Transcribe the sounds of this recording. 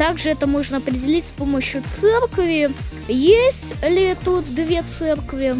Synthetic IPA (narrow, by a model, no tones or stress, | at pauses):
t̪aɡʐɨɛt̪əmo̞ʐnəɐpɾʲɪdʲɪlʲitʲspo̞məɕjʊt̪sɛrkvʲɪ | jesʲtʲlʲɪɛt̪ʊd̪vʲet̪sɛrkvʲɪ